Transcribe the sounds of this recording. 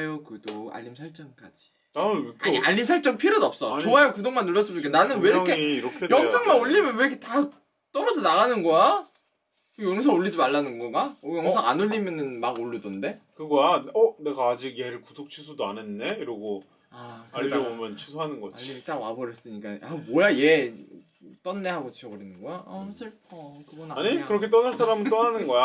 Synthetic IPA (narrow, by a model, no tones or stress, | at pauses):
jokɯdoa̰ʎːimsʰaɭt͡ɕ͈ʌŋk͈ad͡ʑi̥ | nakʰaʎːimsʰaɭt͡ɕ͈ʌŋpʰiɾodʌp̚s͈ʌt͡ɕoajokudoŋmanːuɭːʌs͈ɯmk͈ananɯnweɾʌkʰeiiɾʌkʰejʌŋsʰaŋmaɡoʎːimjʌnwe̞ɾʌkʰeta | t͈ʌɾʌd͡ʑonaɣanɯnɡʌa | kɯjoŋsʰʌŋoʎːid͡ʑimaɭːanɯnɡʌɡaojʌŋsʰaŋanoʎːimjʌnɯnmaɡoɭːudonde̞kɯɡʌjaʌne̞ɡaːd͡ʑikje̞ɾɯɭkudok̚t͡ɕʰisʰudoanenːeiɾʌɡo | aaiɾʌbomjʌnt͡ɕʰi̥sʰuɦanɯnɡʌaʎːimit͈aɡwabʌɾjʌs͈ɯɲik͈aamʌjaje̞ | t͈ʌnːe̞ɦaɡot͡ɕiʌɡɯɾinɯnɡʌjasɯ | kɯɡonaɲikɯɾʌkʰe̞t͈ʌnɯɭs͈aɾamɯnt͈ʌnanɯnɡʌja